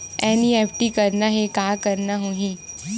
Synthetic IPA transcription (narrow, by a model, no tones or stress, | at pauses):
ɛ̃niɛpʰʈikəɾnaɦekakəɾnaɦuɦĩ